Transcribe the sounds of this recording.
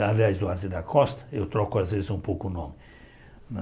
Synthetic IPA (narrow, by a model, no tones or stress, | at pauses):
aliajzd̪ʊaɾt̪ɪd̪ɐkʰɔst̪ɐ̥ewt̪ɾɔkʊazvezɪzũpowkʊnõmɪ | nɐ